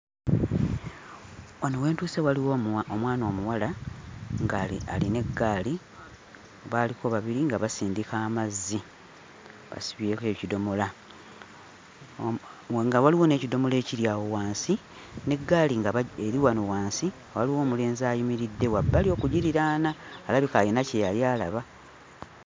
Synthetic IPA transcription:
wanowe̞ːntuːsewaliwoomwaːno̞ːmuwala | ŋɡaa̰line̞ɡːaːli | oβaːliko̞βaβiɾiŋɡaβasiːndikaːmazːi | βa̰siβje̞ːke̞ːcido̞mo̞la | ŋɡawaliwo̞ne̞ːcido̞mo̞le̞ːciɾjaːwo̞waːnsi | ne̞ɡːaːliŋɡaeɾiwanuwaːnsi | waliwo̞ːmule̞ːnziaːjimiɾidːe̞wabːalio̞ːkuɟiɾiɾaːnaːlaβikaːjinacejaljaːla̰βa

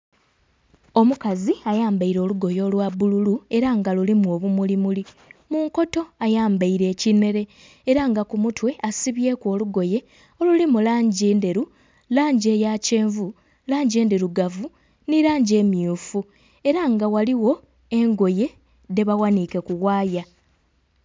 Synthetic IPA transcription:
o̞mukaziajaːmbaiɾo̞ːluɡo̞jo̞ːlwabululue̞ɾaŋɡalulimuo̞ːβumulimuli | muŋko̞to̞ajaːmbaiɾe̞ːcine̞ɾe̞ː | ɾaŋɡakumutwe̞asiβje̞ːko̞ːluɡo̞je̞ | o̞lulimulaːɲɟeːndeɾu | laːɲɟe̞ːjace̞ːɱvu | laːɲɟeːndeɾuɡavu | niɾaːɲɟe̞ːmjuːfu | e̞ɾaŋɡawaliwo̞ | e̞ŋɡo̞je̞ | de̞βawanike̞kuɣaːja

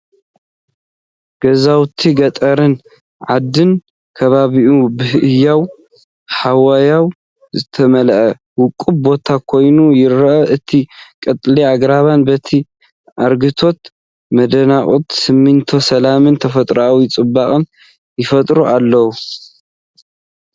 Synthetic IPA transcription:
ɡ̥ɐzawt̪ʰiɡɐt̪ʼɐɾɨn | ʕad̪ːɨn | kʰɐβaβiʔubɨhʔɨjːaw | ħawajaw | zɨt̪ʰɐmɐlʔɐ | wʊkʼːubbo̞t̪ʰakʰo̞jnujɪɾɐʔɐʔɨt̪ʰikʼɐt̪ʼliaɡɾaβanbɐt̪ʰi | ʔaɾɡɨt̪ʰo̞t̪ | mɐd̪ɐnaχʼut̪sɨmːɨnt̪ʰo̞sɐlamɨnt̪ʰɐfɐt̪ʼɾʔawjɪt͡sʼɨbːaχʼɨn | jɪfɐt̪ʼɾuʔalːɐwu

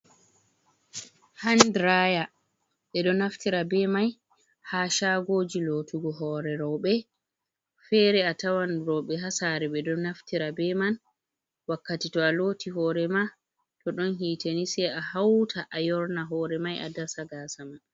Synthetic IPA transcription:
handɾaja | ɓɛɗɔnaftiɾabɛmaj | haʃaɡoːd͡ʒilotuɡɔɦɔːɾɛɾɔwɓɛ | fɛːɾɛatawanɾɔwɓɛɦasaɾɛɓɛɗɔnaftiɾabɛman | wakːatitɔaloːtiɦɔːɾɛma | tɔɗɔnɦiːtenisɛahawtʰaʔajɔɾnaɦɔːɾɛmajʔa̰dasaɡasaman

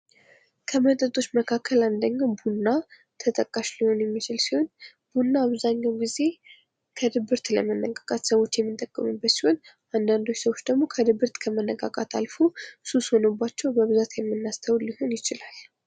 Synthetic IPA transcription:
kʰəmət̪ʼət̪ʼo̞t͡ʃːməkʰakʰːəland̪əɲːawbunːa | t̪ʰət̪ʼəkʼːaʃliho̞njɛmːit͡ʃɪlsiho̞n | b̥unːaːβzaɲːawɡize̞ | kʰəd̪ɨbɨɾt̪lə̰mənːəkʼakʼat̪səwo̞t͡ʃːjɛmːɨnt̪ʼəkʼːəmɨbːət̪siho̞n | ʔand̪and̪ojsəwo̞t͡ʃːd̪əɡmo̞kʰəd̪ɨbɨɾt̪kʰəmənːəkʼa̰kʼat̪ʰa̰lfosusho̞nəbːat͡ʃːɛwbəβɨzat̪jɛmːɨnːast̪ʰəwliho̞njɪt͡ʃɪlal

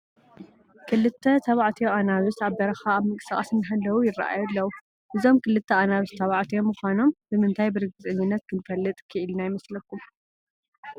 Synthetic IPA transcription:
kʰɨlːɨt̪ʰːɐt̪ʰɐβaʕt̪ʰijoʔanaβusaβbɐɾɐxaːβmɨkʼɨ̥sakʼɐsɨnːɨɦalːɐwujɪra̰ʔa̰julːɐwu | ʔɨzo̞mkʰɨlːɨt̪ʰːɐʔanaβɨst̪ʰɐβaʕt̪ʰijo̞mɨxʷano̞mbɨmɨnt̪ʰajbɨɾɨɡɨzʼɨɲːɪnːɐt̪̚kʰɨnfɐlːɨt̪ʼkʰɨʔɨlnajɪmɐslɐkʰːum

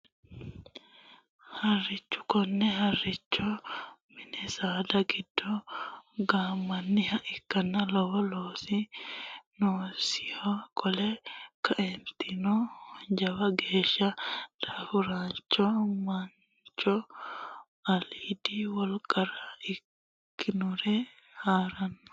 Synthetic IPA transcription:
hɐrːɪt͡ʃːʊ̥kɔnːɛhɐrːɪt͡ʃːɔmɪnɛsaːd̪ɐɡɪd̪̥ːɔ | ɡaːmːɐnːɪhɐʔɪkːɐnːɐlɔwɔloːsi | noːsɪhɔkʼɔlɛkɐʔɛnt̪ɪnɔhɔnd͡ʒɐwɐɡeːʃɐd̪̥afʊɾaːnt͡ʃːɔmɐn | t͡ʃɔ | ɐliːd̪iwɔlkʼɐɾɐɪk | kːɪnʊɾɛ | haːɾɐnːɔ̥

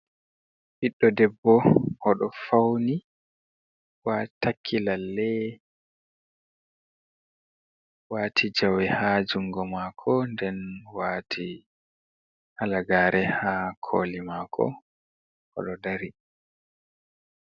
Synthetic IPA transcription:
ʔiɗːɔdɛbːɔhɔɗɔfawni | watʰakʰːilalːɛ | waːtʰid͡ʒawɛhad͡ʒuŋɡɔmaːkʰɔndɛnwaːtʰi | ʔalaɡaːɾɛhakʰo̰ːlimaːkʰɔ̰ | hɔ̰ɗɔdaɾi

